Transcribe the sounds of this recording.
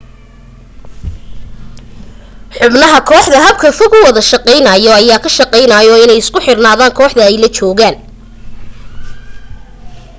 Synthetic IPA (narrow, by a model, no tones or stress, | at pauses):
ħʊbnɐɦɐkʰɔːħd̪ɐɦɐb̚kʰɐfɔɡʊwɑðɐʃɐqɛjnɐjɔɐjaːkʰɐʃɑqɛjnɐjɔɪnɛjɪskʰʊħɪrnaːðaːŋkʰɔːħd̪ɐɛjlɐt͡ʃɔːɣaːn